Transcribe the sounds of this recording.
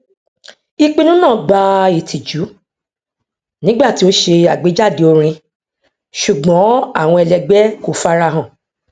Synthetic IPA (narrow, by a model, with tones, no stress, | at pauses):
i˧k͡pĩ˧nũ˦nã˦˨ɡ͡ba˧i˨tʰi˨d͡ʒu˨˦ | nĩ˨˦ɡ͡ba˦˨ti˦o˦ʃe˧a˨ɡ͡be˨˦d͡ʒa˦˨de˨o˧ɾ̃ĩ˧ | ʃu˨ɡ͡bɔ̃˨˦a˦˨w̃ɔ̃˧ɛ˧lɛ˧ɡ͡bɛ˦ko˨fa˦ɾa˧ɦã˨